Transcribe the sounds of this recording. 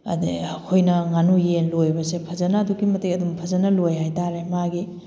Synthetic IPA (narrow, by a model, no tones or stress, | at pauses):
ɐ̰dkʰojnɐŋanujenlojbɐsepʰɐzɐnɐːduɡimɐtejɐdumpʰɐzɐnɐlojɦajtaɾemaɡi